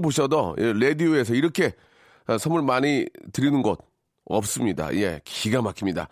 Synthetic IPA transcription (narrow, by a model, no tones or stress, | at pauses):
boɕʰʌdojeɾe̞dioe̞s̬ʰʌiɾʌkʰe̞ | sʰʌmɯɭmaɲitɯɾinɯnɡʌt̚ | ʌp̚s͈ɯmɲida̰je̞kiɡamakʰimɲida̰